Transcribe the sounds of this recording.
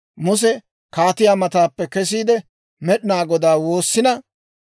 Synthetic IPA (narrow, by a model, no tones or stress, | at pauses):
mʊs̬ɛ | kaːt̪ɪjaːmɐt̪aːpːɛkɛs̬iːd̪ɛ | mɛɗɪnaːɡɔd̪aːwo̞ːsːɪnɐ